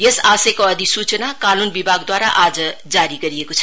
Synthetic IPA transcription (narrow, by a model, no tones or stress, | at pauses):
jesasekoʌd̪ʱisut͡sənakanunbibʱaɡd̪waɾa̰ʔad͡zʌd͡zaɾiɡʌɾiekot͡sʰʌ